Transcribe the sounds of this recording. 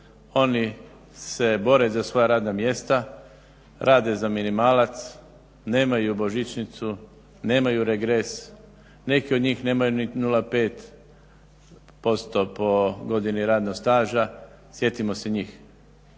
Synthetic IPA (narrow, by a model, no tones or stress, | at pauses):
o̞ni | se̞bo̞ɾe̞zasʋo̞jaɾaːd̪namje̞st̪a | ɾʔaːd̪e̞zaminimaːlat̪s | ne̞ːmajubo̞ʒit͡ʃnit̪su | ne̞ːmajuɾeɡɾes | ne̞kiod̪ɲiːxne̞ːmajuninulape̞ːt̪ | po̞st̪o̞po̞ɡo̞d̪iniɾaːd̪nost̪aːʒa | sje̞t̪imo̞se̞ɲiːx